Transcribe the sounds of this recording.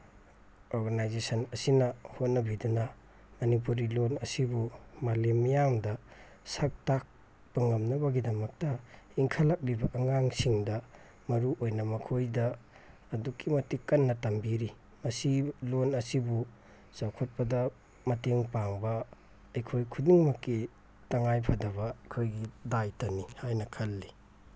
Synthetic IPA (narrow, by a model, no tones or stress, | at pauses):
oɾɡanajzesɐnɐsinɐhot̚nɐbidunɐ | mɐnip̬uɾilonɐsibumalemːijamdɐ | sak̚tak̚ | baŋɐmnɐβɐɡidɐmɐk̚tɐ | iŋkʰalak̚libɐʔɐŋaŋsiŋdɐ | mɐɾuʔojnɐmɐkʰojdɐː | dukʰːimɐtikːɐnːɐtɐmbiɾi | mɐsilonɐsibu | sawkʰot̚pɐdɐ | mɐteŋpaŋbɐː | jkʰojkʰudiŋmɐkːi | taŋajpʰadɐβɐɐjkʰojɡidajtanihajnɐkʰɐlːi